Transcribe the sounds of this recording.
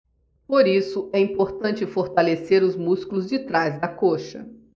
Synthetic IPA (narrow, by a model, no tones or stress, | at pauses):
poɾisʊɛĩpoɾt̪ɐ̃nt͡ʃɪfoɾt̪aleseɾʊzmuskulʊzd͡ʒɪt̪ɾajzd̪ɐkoʃɐ̰